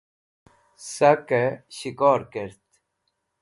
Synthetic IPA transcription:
sɐkeɕikɔːɾkeɾt̪

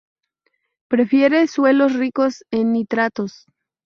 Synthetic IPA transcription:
pɾe̞fje̞ɾe̞swe̞lo̞sriko̞senːit̪ɾat̪o̞s

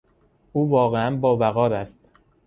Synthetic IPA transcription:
ʔuːvɒːɣeænbɒːbæɣɒːɾæst̪

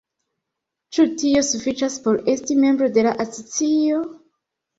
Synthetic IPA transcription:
t͡ʃutio̞sufit͡ʃaspo̞ɾe̞stime̞mbɾode̞laʔasot͡sio̞

